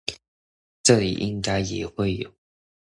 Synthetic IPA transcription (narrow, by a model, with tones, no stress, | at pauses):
ʈ͡ʂɤ˥˩lḭ˨˩ʔi˥ŋka˥ɪjɛ̰˨˩xwe˥˩ɪjo˨˩˦ʊ